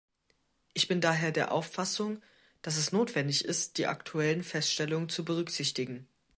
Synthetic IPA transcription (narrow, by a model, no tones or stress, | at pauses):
ʔɪçb̥ɪndaːɦeːɐdeːɐʔaʊfasʊŋ | d̥as̬ɛsnoːtv̥ɛndɪçɪst̚d̥iːʔa̰ktʰuɛlənfɛstʃtɛlʊŋənt͡subəʁ̞ʏkz̥ɪçtɪɡŋ̩